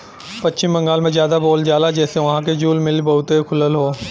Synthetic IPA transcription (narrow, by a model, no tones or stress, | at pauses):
pɐtːʃɪ̃mbɐ̃ŋɡaːlmẽzjaːd̪aboːld͡ʒaːlad͡ʒɛːseʋɐɦãk̬ed͡ʒuːlmɪlbɐɦʊt̪ekʰʊləlɦoː